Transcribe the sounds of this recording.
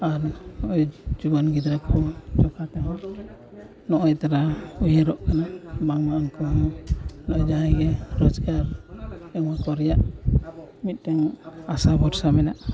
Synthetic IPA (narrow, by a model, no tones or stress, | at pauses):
aɾnɔʔɔjd͡ʒubɔnɡid̪ɾakʰɔt͡ʃɔkʰat̪ɛɦɔ | nɔʔɔjt̪aɾaujeɾɔʔkanabaŋmaʔankɔɦɔnɔɔjd͡ʒaaɡɛɾɔd͡ʒɡaɾɛŋmakɔɾjaʔ | mit̪̚ˀt̪ɛŋasabʱɔɾsamɛnaʔ